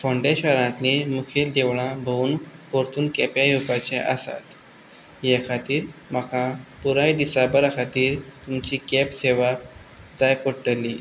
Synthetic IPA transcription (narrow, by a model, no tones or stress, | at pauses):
faɳɖeɕəɾãt̪limukʰeld̪eʋɭãbʱounpoɾt̪uːnkɛpjajupat͡ɕeʔə̰sa̰t̪ | jekʰat̪iːɾm̤akʰapuɾajd̪isabəɾakʰat̪iːɾt̪umt͡ɕiːkɛpseʋa | d͡z̪ajpoɽʈəlːiː